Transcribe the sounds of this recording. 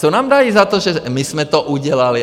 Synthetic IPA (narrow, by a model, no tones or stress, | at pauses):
ɔnaːmd̪aizat̪ɔʒɛmismɛt̪ɔʔuɟɪɛlali